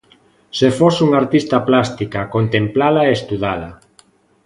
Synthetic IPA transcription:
sefosuŋaɾt̪ist̪aplast̪ikakont̪emplalaeest̪uðala

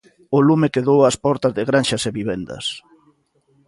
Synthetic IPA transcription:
ʊlumekeðowaspɔɾt̪ɐzðeɣɾanʃɐseβiβend̪ɐ̰s

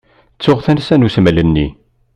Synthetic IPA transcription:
t͡sːʊʁθænsænusmælənːi

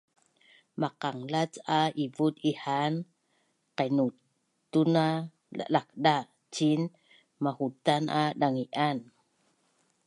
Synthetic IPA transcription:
maqaŋlat͡saivutihan | qajnu | t̪una | a̰lak̚ɗa | t͡ʃin | mahutanʔaɗaŋiʔan

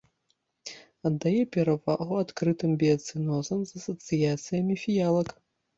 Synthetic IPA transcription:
ɐd̪ːajɛpʲɛɾavaɣuat̪kɾɨt̪ɨmbʲiɐt̪sɨnɔzɐmzɐsɐt̪sɨjat̪sɨjɐmʲifʲijalˠɐk

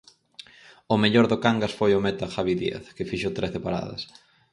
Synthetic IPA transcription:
ʊmeʎoɾðokaŋɡasfojʊmɛt̪axaβiðiḛθkɪfiʃot̪ɾeθɪpaɾa̰ðɐ̰s

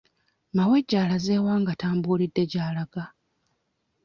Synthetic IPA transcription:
mawe̞ɟːaːlaze̞ːwaːŋɡataːmbulidːe̞ɟaːlaɡa

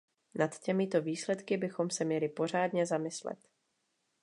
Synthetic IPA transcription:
nat̪cɛmɪt̪o̞viːslɛt̪kɪbɪxo̞msɛmɲɛlɪpo̞r̝aːdɲɛzamɪslɛ̰t̪

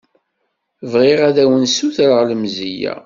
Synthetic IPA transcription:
vʁiʁæðæwənsuθɾəʁləmzijæ̰

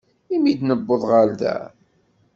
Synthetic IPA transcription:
imid̪nəbːoðˤʁalðæ̰

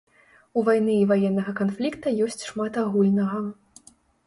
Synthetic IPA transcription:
uvajn̪ɨːvajɛnːɐɣɐkanflʲikt̪ɐjɔsʲt͡sʲʂmat̪aɣulʲnɐɣɐ

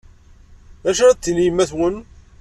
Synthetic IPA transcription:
ðæʃæɾt͡s̪ːilimæθwən

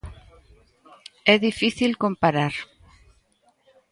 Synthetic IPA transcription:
ɛðifiθilkõmpaɾaɾ

